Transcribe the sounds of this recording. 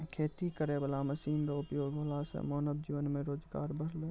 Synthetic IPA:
kʰeːt̪ikəɾebəlaməsiːnɾaʊpjoːɡɦoːlasḛmɔːnəbd͡ʒiːʋənmẽɾoːd͡ʒɡa̰ːɾbʱəɽ̤leː

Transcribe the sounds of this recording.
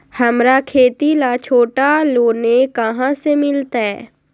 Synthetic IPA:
həmɾakʰeːt̪ilat͡ʃʰoːʈaloːnekəɦãsemɪlt̪aɦɛː

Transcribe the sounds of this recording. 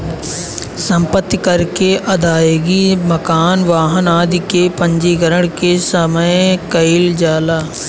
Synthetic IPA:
sɐ̃mpət̪ːkɐɾkeʔɐd̪aːeːɡimɐkaːnʋaːɦənaːd̪ʱikepə̃ɲd͡ʒiɡəɾəɽ̃kesəməjkɐɪld͡ʒaːlaː

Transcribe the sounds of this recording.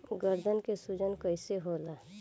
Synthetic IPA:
ɡəɾd̪ʱənkesud͡ʒənkəɪseɦola

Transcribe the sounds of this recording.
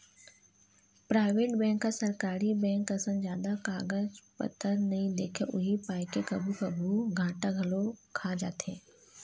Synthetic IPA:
pɾaːɪʋeːʈbɛ̃ːŋkːasɐɾkaːɾibɛ̃ːŋkɐsə̃nd͡ʒjaːd̪akaːɡəd͡ʒpə̰t̪ʰəɾnɐɦĩd̪ḛːkʰeʔʊɦipaːjkekɐbʱukɐbʱuɡʱãːʈaɡʱɐlokʰad͡ʒa̰ːt̪ḛ̃ː

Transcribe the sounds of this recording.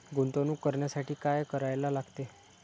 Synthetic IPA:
ɡunt̪onuːkːəɾɳjasaʈʰiːkajkəɾajlalaɡt̪e

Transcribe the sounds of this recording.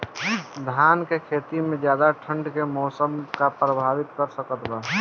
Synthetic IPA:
d̪ʱaːnkekʰeːt̪imẽd͡ʒjaːd̪aʈʰə̃ɳɖkemɔːsəmkapɾəbʱaːʋɪt̪kəɾsəkət̪baː

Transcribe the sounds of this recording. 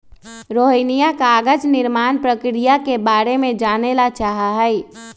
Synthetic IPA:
ɾoːɦinijakaːɡət͡ʃnɪɾmaːnpɾəkɾijakebaːɾemẽd͡ʒaːnelat͡ʃaːɦaɦɛi

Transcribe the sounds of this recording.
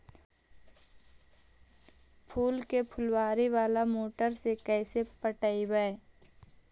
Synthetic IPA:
pʰuːlkepʰʊlwaːɾiʋaːlamoːʈəɾsekɛːsepəʈəiwəe

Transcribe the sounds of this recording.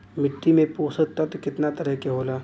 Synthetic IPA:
mɪʈːimẽpoːsət̪ɐt̪kɪt̪nat̪ɐɾəɦkeɦoːlaː

